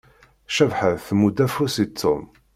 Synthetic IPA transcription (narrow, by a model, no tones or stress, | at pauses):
ʃævħəðθmud̪æfusit̪ʰːʊm